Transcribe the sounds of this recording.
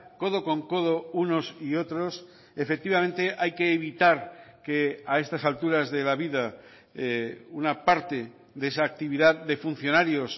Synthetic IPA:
ko̞ðo̞ko̞ŋko̞ð̞o̞unosio̞t̪ɾo̞s | efek̚t̪iβame̞nt̪e̞ʔajke̞ːβ̞it̪aɾke̞ae̞st̪asalt̪uɾazðe̞laβiða | unapaɾt̪e̞ | ðes̬aːk̚t̪iβiðaððe̞fun̟θjo̞naɾjo̞s

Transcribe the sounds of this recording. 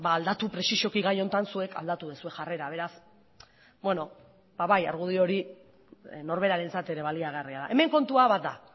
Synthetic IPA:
baːld̪at̪upɾe̞siʃo̞kiɣajo̞nt̪ansue̞kʰa̰ld̪at̪uðesue̞xare̞ɾaβ̞e̞ɾas | bwe̞no̞ | baβaja̰ɾɣ̞uð̞io̞ɾi | no̞ɾβ̞e̞ɾaɾe̞nt͡sat̪e̞ɾe̞βaliaɣeariala̰ʔe̞me̞ŋko̞nt̪uaβat̪̚d̪a

